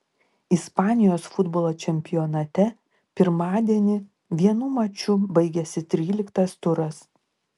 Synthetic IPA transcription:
ɪspɑːnʲɪjoːsfʊd̪bɔːlˠoːt͡ʃʲɛmʲpʲɪjɔːnɐt̪ʲɛ | pʲɪɾmɑːd̪ʲiɛnʲɪ | ʋʲiɛnuːmɐt͡ʃʲʊbɐɪɡʲɛsʲɪt̪ʲɾʲiːlʲɪkt̪ɐst̪ʊɾɐs

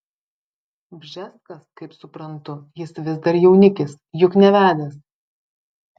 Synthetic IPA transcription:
bʲʒʲɛskɐskɐɪpsʊpɾɐnt̪ʊjɪsʋʲɪzd̪ɐɾjɛʊnʲɪkʲɪs | jʊknʲɛʋʲæːd̪ʲɛs

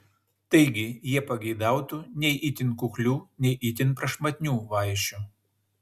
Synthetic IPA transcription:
t̪ɐɪɡʲɪjiɛpɐɡʲɛɪd̪ɑˑʊt̪unʲɛɪʔit̪ʲɪnkʊklʲuːnʲɛɪʔit̪ʲɪnpɾɐʃmɐt̪ʲnʲuːʋɐɪʃʲu

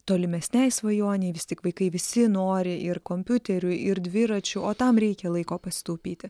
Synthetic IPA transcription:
t̪oːlʲɪmʲɛsʲnʲɛɪsʋɐjuɔnʲɛɪʋʲɪsʲt̪ʲɪkʋɐɪkɐɪʋʲɪsʲɪnoːɾʲɪʔɪɾkoːmʲpʲʊt̪ʲɛɾʲʊɪɾd̪ʲʋʲɪɾɐt͡ʃʲʊoːt̪ɐmɾʲɛɪkʲɛlˠɐɪkoːpɐsʲɪ̥t̪oːpʲiːt̪ʲɪ

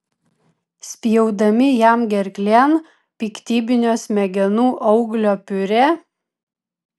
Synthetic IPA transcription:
sʲpʲɪjɛʊd̪ɐmʲɪjæmɡʲɛɾʲklʲen | pʲiːkt̪ʲiːbʲɪnʲoːsʲmʲɛɡʲɛnuːʔɒʊɡlʲoːpʲʊɾʲeː

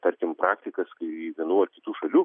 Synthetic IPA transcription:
t̪ɐɾʲkʲɪmpɾɑːkt̪ʲɪkɐskɐɪʋʲiɛnuːɐrkʲɪt̪uːʃɐlʲuː

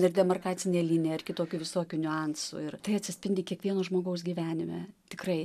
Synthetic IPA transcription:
ɪrd̪ʲɛmɐrkɑːtt͡s̪ʲɪnʲeːlʲiːnʲeːɪrkʲɪt̪oːkʲuʋʲɪsoːkʲʊnʲʊɑnsʊ̰ɪrt̪ɐɪɐt̪ʲsʲɪsʲpʲɪnʲd̪ʲɪkʲiɛkʋʲiɛnoːʒmoːɡɐʊs̬ɡʲiːʋʲæːnʲɪmʲɛ̰t̪ʲɪkrɐɪ

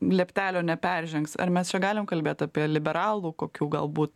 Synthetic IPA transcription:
lʲɛpʲt̪ʲæːlʲoːnʲɛpʲærʲʒʲɛŋksɐ̰ɾmʲɛst͡ʃʲɛɡɑːlʲɪmkɐlʲbʲeːt̪ɑːpʲiɛlʲɪbʲɛɾɑːlˠuːkoːkʲuːɡɐlˠbuːt̪

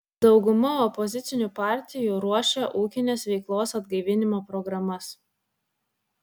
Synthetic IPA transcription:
d̪ɒʊɡʊmɐɔpɔzʲɪt̪sʲɪnʲupɑˑɾʲt̪ʲɪjuːɾuɔʃʲɛʔuːkʲɪnʲeːsʋʲɛɪklˠoːsɐd̪ɡɐɪʋʲɪnʲɪmoːpɾɔɡɾɐmɐs

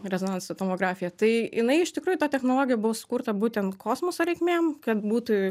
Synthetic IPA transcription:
ɾʲɛzoːnɐnssɐt̪oːmoːɡɾɑːfʲɪjɛt̪ɐɪɪnɐɪɪʃt̪ʲɪkɾuːjʊːt̪ɑːt̪ʲɛxnoːlˠoːɡʲɪjɛbʊʋoːsʊ̥kuːɾt̪ɐbuːt̪ʲɛnt̪kʰoːsmoːsoɾʲɛɪkmʲeːmkɐt̪buːt̪u

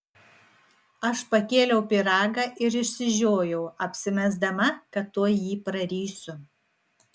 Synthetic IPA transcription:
ɐʃpɐkʲeːlʲɛʊpʲɪɾɑːɡɐʔɪɾɪʃʲsʲɪʒʲoːjɛʊɐpʲsʲɪmʲɛzd̪ɐmɐkɐt̪ːuɔjiːpɾɐɾʲiːsʲʊ

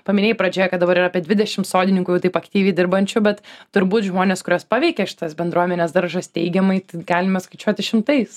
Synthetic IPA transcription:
pɐmʲɪnʲeːjpɾɐd͡ʒʲoːjɛkɐt̪d̪ɐbɐɾɪraːpʲiɛd̪ʲʋʲɪd̪ʲɛʃʲɪmt̪soːdʲɪnʲɪŋkʊjɛʊt̪ɐɪpɐkt̪ʲiːʋʲɛɪd̪ʲɪɾbɐnʲt͡ʃʲʊbʲɛt̪tʊɾʲbuːt̪ʒmoːnʲeːskʊɾʲoːspɑːʋʲɛɪkʲɛʃʲɪ̥t̪ɐsbʲɛnd̪ɾuɔmʲɛnʲeːsd̪ɐɾʒɐst̪ʲɛɪɡʲɛmɐɪt̪ɐɪɡɑːlʲɪmɐskɐɪt͡ʃʲuɔt̪ʲɪʃʲɪmt̪ɐɪs

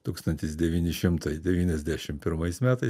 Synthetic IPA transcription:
t̪uːkst̪ɐnʲt̪ʲɪsd̪ʲɛʋʲiːnʲɪʃʲɪmt̪ɐɪd̪ʲɛʋʲiːnʲɛzʲd̪ʲæːʃʲɪmpʲɪɾmɐɪsmʲæːt̪ɐɪ

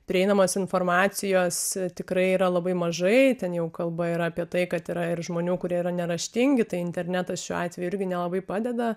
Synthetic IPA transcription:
pʲɾʲɪɛɪnɐmoːsɪnfoːrmɑːt͡s̪ʲɪjoːst̪ʲɪkɾɐɪiːɾɐlˠɐbɐɪmɐʒɐɪt̪ʲɛnjɛʊkɐlˠbɐɪɾɐːpʲiɛt̪ɐɪkɐt̪iɾɐɪrʒmoːnʲuːkʊɾʲiɛiɾɐnʲɛɾɐʃʲt̪ʲɪŋʲɡʲɪt̪ɐɪɪnʲt̪ʲɛɾʲnʲæt̪ɐsʃʲuːɑ̰ːt̪ʲʋʲɛjuʊɪɾʲɡʲɪnʲɛlˠɐbɐɪpɑːd̪ʲɛd̪ɐ

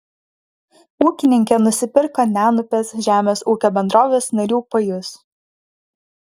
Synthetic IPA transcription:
uːkʲɪnʲɪŋʲkʲɛnʊsʲɪpʲɪɾkɐnʲæːnʊpʲeːsʒʲæːmʲeːsuːkʲoːbʲɛnd̪ɾoːʋʲeːsnɐɾʲuːpɐjʊs

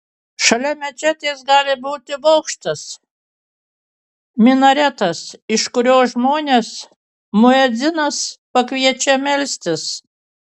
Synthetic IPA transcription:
ʃɐlʲɛmʲɛt͡ʃʲæt̪ʲeːsɡɑːlʲɪbuːt̪ʲɪʋɐʊkʃt̪ɐs | mʲɪnɐɾʲæt̪ɐsɪʃkʊɾʲoːsʒmoːnʲeːs | mʊɛd̪zʲɪnɐspɐkʋʲiɛt͡ʃʲɛmʲɛlʲsʲt̪ʲɪs

